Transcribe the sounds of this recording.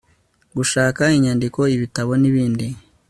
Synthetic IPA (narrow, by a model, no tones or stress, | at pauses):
ɡuʃaːkaiɲandiko̞iβitaβo̞niβiːndi